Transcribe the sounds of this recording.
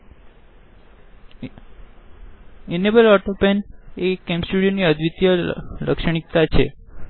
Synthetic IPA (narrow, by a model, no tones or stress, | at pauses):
enebəlɔʈopɛnekɛ̃msuɽijoniəd̪ʱʋit̪jələ̰kʃəɳ̃ik̚t̪at͡ʃʰḛ